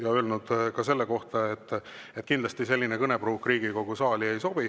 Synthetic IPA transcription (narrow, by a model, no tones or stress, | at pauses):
jɑølnud̪̥kɑse̞lːeko̞ht̪ɑe̞t̪ːet̪̚ːˑkind̪lɑst̪ise̞lʲːinekɤne̞b̥ruːkriːɡ̥iko̞ɡ̥usɑːlʲie̞jso̞b̥i